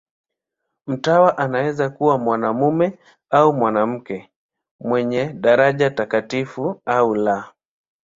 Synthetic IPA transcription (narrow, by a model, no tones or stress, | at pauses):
m̩tawaʔanawɛzakuwamwanamumɛ | aumwanam̩kɛ | mwɛɲɛɗaɾaʄatakatifuaula